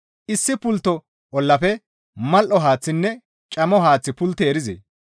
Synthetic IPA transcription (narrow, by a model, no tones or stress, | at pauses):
ʔɪsːɪpʊlt̪ːɔ | ʔɔlːɐfɛ | mɐlʔɔɦaːt͡sːɪnːɛ | t͡ʃʼɐmɔɦaːt͡sːɪpʊlt̪eːɾɪzḛː